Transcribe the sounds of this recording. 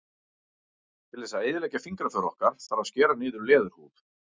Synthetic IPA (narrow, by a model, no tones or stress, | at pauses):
t̪ʰɪlθɛsːaeːjðɪlɛːjcafiŋkɾafœɾɔ̰hkaɾ̥θaɾawscɛːɾanɪːðʏɾlɛːðʏɾ̥huːp